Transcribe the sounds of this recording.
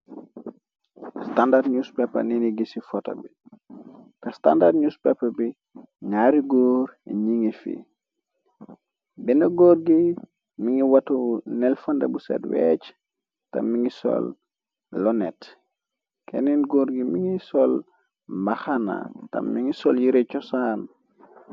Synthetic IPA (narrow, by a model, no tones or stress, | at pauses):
standadɲuspɛpːɐ̰niniɡisifɔtɐ̰bi | kɐsta̰ndadɲuspɛpːɐbi | ɲaɾiɡɔːɾɲiŋifḭ | bɛnɐɡɔːɾɡi | miŋiwatunɛlfɐndɐbusɛ̰twɛt͡ʃ | tɐ̰mːiŋisɔ̰lː | ɔnɛt | kɛninɡoːɾɡimiŋisɔl | maxana̰tɐ̰mːiŋisɔljiɾɛt͡ʃɔsan